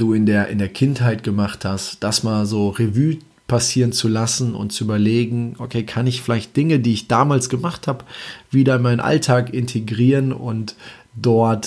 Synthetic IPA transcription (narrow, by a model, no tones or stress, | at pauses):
d̥uːɪndeːɐʔɪndeːɐkʰɪnthaɪtɡ̥əmaχthastd̥asmaːlzoːʁevyː | pʰasiːʁənt͡sulasn̩ʊ̰ntt͡suʔyːbɐleːɡŋ̩ʔokʰeːkʰanɪçfɪlaɪçt̚d̥ɪŋədiːɪçd̥aːmaːlsɡ̥əmaχthaːbv̥iːdɐɪnmaɪnənʔa̰ltʰaːkɪntʰeɡʁiːʁənʊ̰ntd̥ɔɐt